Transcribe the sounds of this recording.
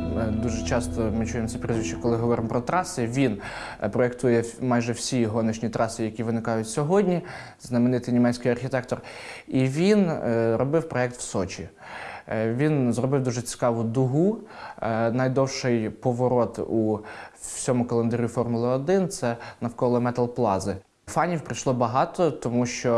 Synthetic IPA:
d̪uʒɛt͡ʃɑst̪ɔmɪt͡ʃujɛmɔsɛpɾʲɪzʋʲit͡ʃt͡ʃɛkɔlˠɪɦɔʋɔɾɪmpɾɔt̪ɾɑsɪʋʲin | pɾɔek̚t̪ujɛmɑjʒɛwsʲiɦɔnɪʃnʲit̪ɾɑsɪjɐkʲiʋɪnɪkɑjʊtʲsʲɔɦɔdʲnʲi | znɐmeɪnɪt̪ɪjnʲimɛt͡ssʲkɪjɐrxʲiɪt̪ɛk̚t̪ɔr | iʋʲinɾɔbɪwpɾɔɛk̚t̪wsɔt͡ʃʲi | ʋʲinzrɔbɪwd̪uʒɛt͡sʲɪ̥kɑʋʊd̪ʊɦu | nɐjd̪ɔwʃɪjpɔʋɔɾɔt̪u | sʲɔmʊkɔlˠend̪ɐɾʲufɔrmʊlˠɐːd̪ɪnt̪sɛnɐwkɔlˠɔmɛt̪ɐlˠplˠɑzɪ | fɑnʲiwpɾɪʃlˠɔbɐɦɑt̪ɔt̪ɔmuʃt͡ʃɔ

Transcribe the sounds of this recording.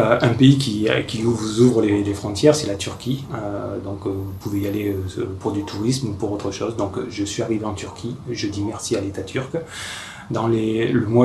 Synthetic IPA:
øɛ̃peik̬ʰʲḭkʲiluvuzuvʁəlelefχɔ̃t̪jɛʁsɛlat̪yʁkʲiød̪ɔ̃kvupuvealeøspud̪yt̪ʰuʁismupuʁot̪χəʃɔzd̪ɔ̃kʒəsɥiaʁiveɑ̃t̪yʁkʲʰiʒəd̪imɛʁsialet̪at̪ʰyʁk | d̪ɑ̃leləmwa

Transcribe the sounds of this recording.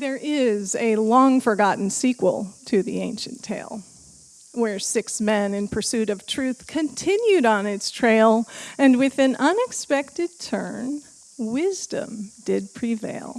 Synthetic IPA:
ðə˞ʔɪzɨlɔ̃ŋfə˞ɡɑʔn̩sikwə̰l̩ˠtʰɨðḭẽɪ̃nʃɨ̃ntʰeɪlˠ | wə˞sɪksmɛ̃nɨ̃npʰə˞sʉɾʌv̥tʰɹ̥ʉθkʰɨ̃ntʰɪ̃njʉɾn̩ɪtstʰɹ̥eɪlˠɨ̃nwɪðɨ̃nʔʌ̃nɨkspɛk̚tɨd̚tʰɜ̰̃˞n | wɪzdə̰̃mdɪd̚pʰɹ̥ivḛɪlˠ

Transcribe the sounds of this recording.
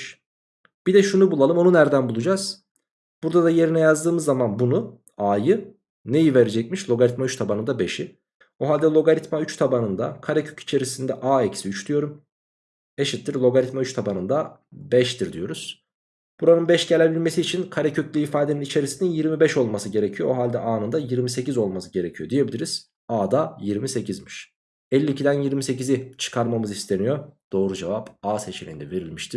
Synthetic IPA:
ʃ | b̥id̪ɛʃunubulˠalˠɯmo̞nunæɾd̪ænbulˠud͡ʒaz̥ | b̥uɾd̪ad̪aje̞ɾinɛjazd̪ɯːmɯzːamanbunu | aːjɯ | ne̞jive̞ɾed͡ʒɛc̚miʃlʲˠo̞ɡaɾʲit̪mayt͡ʃt̪ʰabanɯnd̪abe̞ʃi | oɦalʲd̪ɛlʲˠo̞ɡaɾit̪mayt͡ʃt̪ʰabanɯnd̪a̰kʰaɾɛcʰøci̥t͡ʃʰe̞ɾisind̪ɛʔaːecsiyt͡ʃd̪yjo̞ɾum | eʃit̪ːiɾlˠo̞ɡaɾʲit̪mayt͡ʃt̪ʰabanɯnd̪abɛʃt̪ʰiɾd̪ijo̞ɾuz̥ | b̥uɾanɯnbɛʃɟe̞lʲe̞bilʲme̞siːt͡ʃʰinkʰaɾɛcʰøclʲyːfaːd̪eninit͡ʃʰe̞ɾisininjiɾmibɛʃo̞lˠmasɯɟe̞ɾecʰijooɦalʲd̪ɛʔaːnɯnd̪ajiɾmise̞cizo̞lˠmasɯɟe̞ɾe̞cʰijo̞d̪ije̞bilʲiɾiz̥ | aːd̪ajiɾmise̞cʰizmiʃ | ɛlʲːiːcʰid̪ænjiɾmise̞cizit͡ʃʰɯ̥kʰaɾmamɯzist̪ʰe̞nijo̞d̪̥o̞ːɾud͡ʒevapaːse̞t͡ʃʰelʲḭnd̪ɛve̞ɾilʲmiʃt̪ʰiɾ̥

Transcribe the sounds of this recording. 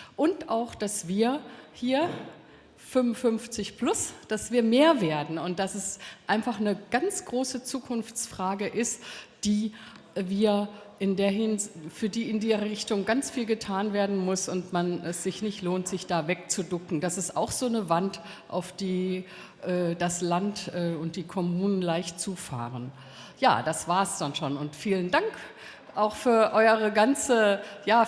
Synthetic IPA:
ʔʊntaʊxd̥asv̥iːɐhiːɐ | fʏmənfʏnft͡sɪçpl̥ʊsd̥asv̥iːɐmeːɐveːɐdn̩ʊnt̚d̥asɛsʔaɪnfaχnəɡ̥ant͡sɡ̥ʁoːsət͡suːkʰʊnft͡sfʁ̥aːɡəʔɪstd̥iː | viːɐʔɪndeːɐɦɪnfyːɐdiːɪndiːzɐʁəʁɪçtʊŋɡant͡sfiːlɡətʰaːnveːɐdn̩mʊsʊntmanʔɛsz̥ɪçnɪçtloːntz̥ɪçd̥aːvɛk̚t͡sudʊkŋ̩dasɪstaʊxz̥oːnəvant | ʔa̰ʊfd̥iː | ʔɛːd̥aslantʔɛːʊnt̚d̥iːkʰɔmuːnənlaɪçtt͡suːfa̰ːʁən | ja̰ːd̥asv̥aːɐsd̥anʃoːnʊntfiːləndaŋk | ʔaʊxfyːɐʔɔʏəʁəɡant͡səjaː

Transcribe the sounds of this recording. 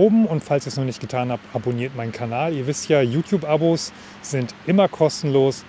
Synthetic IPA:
oːbm̩ʊntfalsɪçnɔχnɪçtɡ̥ətʰaːnhabʔaboniːɐtmaɪnkʰanaːliːɐvɪstjaːjuːtʰjuːpʔaboːs | z̥ɪntʔɪmɐkʰɔstn̩loːs

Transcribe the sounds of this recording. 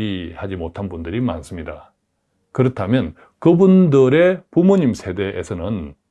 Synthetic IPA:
ihad͡ʑimotʰanbundɯɾima̰ns͈ɯmɲida | kɯɾʌtʰamjʌn | kɯbundɯɾe̞pumoɲimsʰe̞de̞ʔːsʰʌnɯn

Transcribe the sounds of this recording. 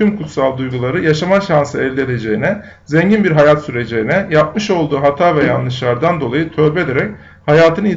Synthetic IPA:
ymkʰut̪salˠd̪ujɡulˠaɾɯjaʃamaʃansɯɛlʲd̪ʲed̪e̞d͡ʒe̞jinɛ | zɛɲɟinbiɾɦajat̪syɾe̞d͡ʒejinɛjap̚mɯʃo̞lˠd̪uːɦat̪ʰaːvɛjanlːˠɯʃlˠaɾd̪and̪o̞lˠajɯt̪ʰø̞ːbɛd̪eɾɛc̚ | hajaːt̪ʰɯnɯi

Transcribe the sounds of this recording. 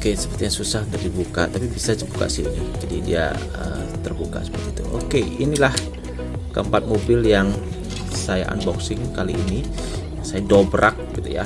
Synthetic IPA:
okesə̥pərt̪iɲasusahdardibuka̰t̪apibisad͡ʒəbuka̰ʔsinid͡ʒadidia̰ | ə̰t̪ərbuka̰sə̥pərt̪it̪uʔo̰keinilah | kəəmpat̪̚mobɪljaŋ | saja̰ʔa̰nbɔksɪŋkaliːni | sajadobɾʔak̚ɡit̪ṵja̰

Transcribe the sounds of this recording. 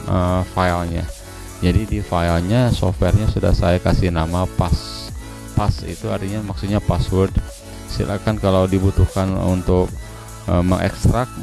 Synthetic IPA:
ʔəfailɲa̰ | d͡ʒadidifailɲasɔ̰fwɛrɲasuda̰hsajakasinamapas | pasḭt̪uart̪iɲamaksut̪̚ɲapaswʊrd | sḭlʔa̰kankalawdibut̪uhkanṵnt̪ʊk̚ | əməŋʔɛ̰kst̪ɾak̚t̪

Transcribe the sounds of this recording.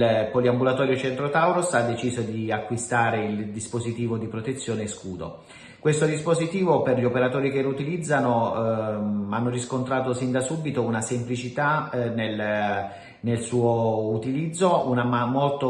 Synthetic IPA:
poliambulat̪ɔːɾjot͡ʃɛnt̪ɾot̪awɾosad̪ːet͡ʃiːzod̪iakːwist̪aːɾeild̪ispozit̪iːvod̪ipɾot̪et̪sːjoːneskuːd̪o̰ | kwest̪od̪ispozit̪iːvoperʎiopeɾat̪oːɾikelout̪ilid̪zːano | anːoriskont̪ɾaːt̪osind̪asubit̪ounasemplit͡ʃit̪anel | nelsuːout̪ilid̪zːounamamolt̪o

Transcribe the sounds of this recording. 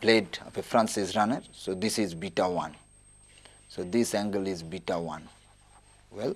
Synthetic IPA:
pleːɖɔfefɾãnsizɾanəɾsoːd̪isizbiʈawãn | soːd̪isæ̃ŋɡəlizbiʈawã̰n | wɛl

